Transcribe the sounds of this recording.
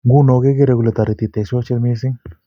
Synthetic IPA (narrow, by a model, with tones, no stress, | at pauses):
ŋɡu˦no˨ɡe˦ɡe˦ɾe˧˨ɡu˨la˨t̪a˨ɾi˨t̪i˨t̪e˨so˦t͡ʃe˦˧˦mi˦s̬i˦ŋ